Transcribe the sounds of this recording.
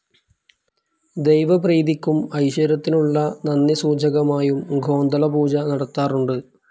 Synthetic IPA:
d̪e̞jʋɐpriːðikʲːumɐjɕɐɾɐt̪ːinuɭːɐnɐnːjɐsuːd͡ʑʱɐɣɐmaːjumɡʱo̞ːnd̪ɐlɐbuːd͡ʑɐnɐɽɐt̪ːaːruɳɖɨ

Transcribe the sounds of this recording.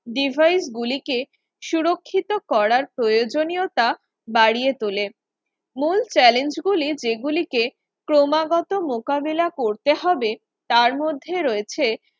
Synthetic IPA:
ɖibʱajsɡulike | ʃuɾokʰːit̪okɔɾaɾpɾojod͡ʑonijot̪a | baɽiet̪ole | mult͡ɕɛlend͡ʑɡulid͡ʑeɡulike | kɾomaɡɔt̪omokabelakoɾt̪eɦɔbe | t̪aɾmod̪ʱːeɾoet͡ɕʰe

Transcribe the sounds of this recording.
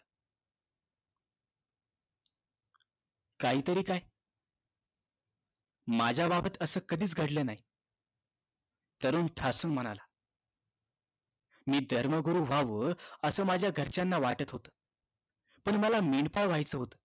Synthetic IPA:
kaɦiːt̪əɾiːkaj | mad͡ʑʱjababət̪əsəːkəd̪ʱiːt͡sɡʱəɽlenaɦi | t̪əɾuːnʈʰasunm̤əɽ̃ala | miːd̪ʱəɾməɡuɾuːʋ̤aʋəːəsəːmad͡ʑʱjaɡʱəɾt͡ɕanːaʋaʈət̪ɦot̪ə̥ː | pəɳməlameɳpaɭʋajt͡səɦot̪ə̥ː

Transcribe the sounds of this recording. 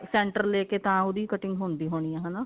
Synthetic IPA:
sɛ̃ːɳʈəɾleːkeːt̪ãːʊd̪iːkəʈɪ̃ŋɡɦoːnd̪iːɦoːɽ̃iːãːɦanaː

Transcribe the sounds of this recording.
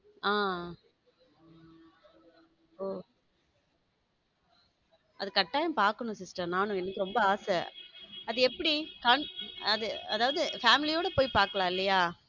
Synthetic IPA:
aː | oː | ʔɐðɯkɐʈːaːjɐmpaːɾkɐɳʊ̃sɪsʈɾɐnaːnʊ̃ɛnɐkːɯɾɔmbɐaːsɛɐðɯɛpːɐɽikaːɳɐðɯɐðaːʋɐðɯfaːmɪlijoːɽɐpoːjpaːɾkɐɭãːɪlːɐjaː

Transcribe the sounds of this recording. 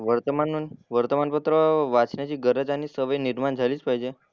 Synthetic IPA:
ʋəɾt̪əmanːunʋəɾt̪əmanpət̪ɾəʋat͡ʃnet͡ʃʰiɡəɾəd͡ʒanisəʋəjniɾmand͡ʒʱalit͡ʃpajd͡ʒe

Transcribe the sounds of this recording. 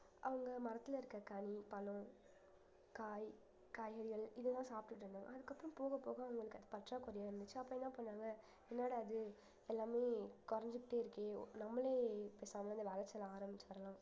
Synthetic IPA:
ʔɐʋɐŋɡɐmɐɾɐt̪ːɪlɐɪɾɯkːɐkɐɳipɐlʊ̃ | kaːj | kaːjɐɽɪɣɐɭɪðɐlãːsaːpɪʈːɯʈːɯɾɯnd̪aːŋɡɐ̰ɐðɯkːɐpːɯɾʊ̃mpoːɣɐpːoːɣɐːʋɐŋɡɐɭɯkːɯɐðɯpɐʈraːkʊɾɐjaːɾɯnd̪ɯt͡ʃːɯɐpːoːɛnːãːpːɐɳːaːŋɡɐ | ɛnːaːɽɐɐðɯ | ɛlːaːmeːkɔɾɐɲd͡ʒɯkʈeɪɾɯkːeːnɐmːɐleːpeːsaːŋɡɐɐnd̪ɯʋɐlɐt͡ʃːɐlaːɾɐmbɪt͡ʃːʋɐɾɐlãː

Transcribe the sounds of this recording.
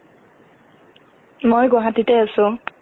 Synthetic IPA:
mojɡɔɦatitɛasʊ̃

